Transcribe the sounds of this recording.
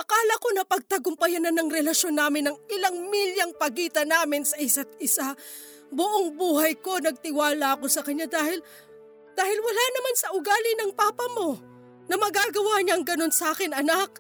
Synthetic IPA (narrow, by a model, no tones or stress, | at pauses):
ʔɐkaːlɐko̞nɐpɐɡ̚t̪ɐɡʊmpɐjɐnɐnɐŋɾɛlɐʃo̞nːaːmɪnːɐŋɪlaŋmiljɐŋpɐɡiːt̪ɐnaːmɪnsɐʔɪsat̪̚ʔɪsa | bʊʔoŋbuːhɐjko̞nɐɡ̚t̪ɪwaːlɐɐko̞sɐkɐɲːad̪aːhɪl | d̪̥aːhɪlwɐlanɐmansɐʔʊɡaːlɪnɐŋpaːpɐmo̞ | nɐmɐɡaːɡɐwaɲaɐŋɡɐno̞nsɐʔaːkɪnʔɐnak̚